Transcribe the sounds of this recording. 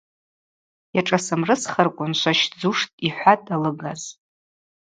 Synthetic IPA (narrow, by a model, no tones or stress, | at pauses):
jaʈ͡ʂʼasɨmrɨsχarkʷʼʊnʃʷaʃd͡zuʂtʼiħʷatʼalɨɡaz̥